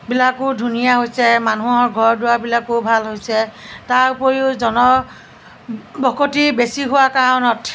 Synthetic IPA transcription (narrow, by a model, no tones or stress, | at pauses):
bilakʊdʱunijaɦojsɛmanuɦɔɹɡʱɔɹdʊwabilakʊbʱalɦojsɛtaɹupɔɹiʊzɔnɔ | bɔkotibesiɦʊwakaɹɔnɔt